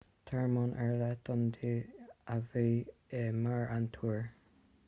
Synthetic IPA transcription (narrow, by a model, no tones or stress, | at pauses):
t̪ʰɛɹmɔnʔɛɹlɛt̪ɔnd̪iaveːemaɹant̪ʰuɹ